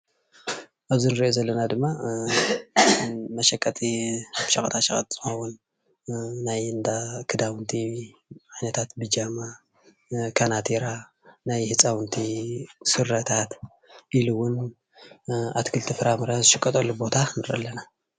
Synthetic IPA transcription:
ʔaβzinɨɾiʔozɐlːɐnad̪ɨmːa | mɐʃɐkʼːɐt̪ʼiʃɐxʼɐt̪ʰaʃɐxɐt̪ʼz̥ɨxonwʊnː | ajɨnd̪akʰɨd̪awnt̪ʰi | ʕajnɐt̪ʰat̪bɨd͡ʒama | kʰanat̪ʰiɾa | najhɨt͡sʼawnt̪ʰisɨɾːɐt̪ʰat̪ | ʔiluwʊn | a̰t̪kʰɨlt̪ʰifɨɾamɨɾazɨʃɨkʼːɐt̪ʼɐlːubo̞t̪ʰanɨɾɐ̰lːɐna

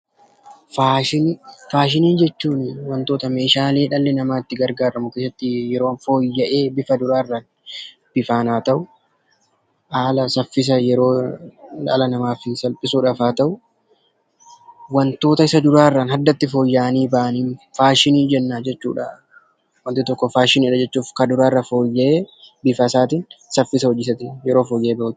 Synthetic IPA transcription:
faːʃɪnfaːʃɪniːnd͡ʒɛt͡ʃːuːnɪwɐnt̪oːt̪ɐme̞ːʃaːle̞ːᶑɐlːɛnɐmaːɪt̪ːɪɡɐɾɡaːɾɐmʊkesɐt̪ːɪjɛɾo̞ːnfo̞ːjːɐʔe̞ːbɪfɐd̪ʊɾaːɪrːaːn | b̥ɪfaːnaːt̪ɐʔʊ | haːlɐsɐfːɪs̬ɐjɛɾo̞ːla̰ːlɐnɐmaːfɪsɐlpʼɪsuːᶑɐfaːt̪ɐʔʊ | wɐnt̪o̞ːt̪ɐɪsɐd̪ʊɾaːɪrːaːnhɐd̪ːɐt̪ːɪfo̞ːjːaːʔɐniːbaʔɐniːnfaːʃɪniːd͡ʒɛnːaːd͡ʒɛt͡ʃːṵːᶑɐ | wɐnt̪ːɪt̪ɔkːɔfaːʃɪniːᶑɐd͡ʒɛt͡ʃːuːfkɐd̪ʊɾaːɪrːɐfo̞ːjːɐʔeːbɪfɐsaːt̪̬iːnsɐfːɪsɐɔd͡ʒɪsɐt̪ɪjɛɾoːfoːjɛʔeːbɐt̪

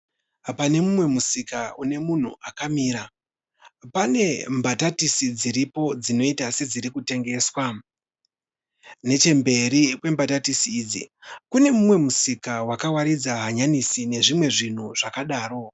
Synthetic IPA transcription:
pane̞mumwe̞musikaune̞mun̤ṵakamiːɾa | pane̞mbatatisid͡ziɾipo̞d͡zino̞itase̞d͡ziɾikute̞ŋɡe̞ːswa | ne̞t͡ʃe̞mbe̞ɾikwe̞mbatatisiːd͡zḭkune̞mumwe̞musikawakawaɾid͡zaɦaɲanisine̞ʐimwe̞ʐin̤uʐ̥akaɗaːro̞

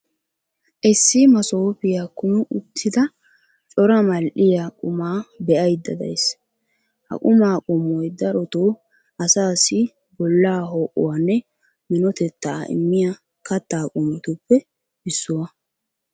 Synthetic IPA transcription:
ʔɛsːɪmɐso̞ːpɪjakːʊnʊʔʊt̪ʰːɪd̪ɐ | t͡ʃʼɔɾɐmɐlʔɪjakʼʊmaːbɛʔɐjd̪ːɐd̪ɐ̰js | hɐ̰kʼʊmaːkʼɔmːɔjd̪ɐɾɔt̪oː | ʔɐsaːsɪ | bɔlːaːɦoːʔʊ̰wanːɛ | mɪnɔt̪ɛt̪ːaɪ̰mːɪja | kɐt̪ːaːkʼɔmɔt̪ʊpːɛ | bɪsːʊwɐ

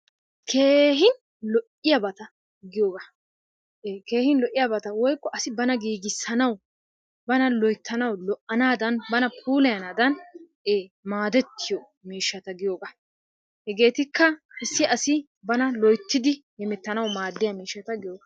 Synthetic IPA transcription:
kʰeːɦɪn | lɔʔɪjɐbɐt̪ɐ | ɡɪjoːɡa | eːke̞ːhɪnlɔʔːɪjabɐt̪ɐwɔjkːɔɐsɪbɐnɐɡiːɡɪsːɐnɐw | bɐnɐlɔjt̪ʰːɐnɐwlɔʔʔɐnaːd̪ɐnbɐnɐpʰuːlɛjɐnaːd̪ɐn | eːmaːd̪ɛt̪ʰːɪjɔ | miːʃːɐt̪ɐɡɪjoːɡa | hɛɡe̞ːt̪ɪkːɐkɛsːɪʔɐsɪ | bɐnɐlɔjt̪ːɪd̪ɪhɛmɛt̪ːɐnɐwmaːd̪ːɪjɐmiːʃːɐt̪ɐɡɪjoːɡa

